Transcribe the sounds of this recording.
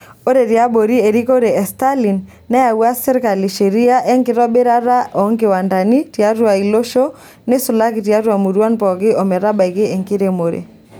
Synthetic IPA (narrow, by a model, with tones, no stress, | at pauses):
o˦ɾe˨ɾi˨a˦bo˨ɾi˦e˨ɾi˦ko˦ɾe˨ɛ˨sta˦li˨nː | ɛ˦a˨wa˦sɛ˦ɾka˨li˨ʃe˨ɾi˦a˦ʔɛ˦ŋkɪ˦ɾɔ˦bɪ˦ɾa˦ɾa˦ʔɔ˨˦ŋkɪ˨wa˨nda˨ni˦ti˨a˦ɾwa˨i˨lo˦ʃo˦ | nɪ˦sʊ˨la˦kɪ˨ti˨a˦ɾwa˨mu˨ɾwa˦npɔ˨kɪ˦ʔɔ˨mɛ˨ɾa˦ba˨i˨kɪ˦e˨ŋkɪ˦ɾe˨mo˨ɾḛ˨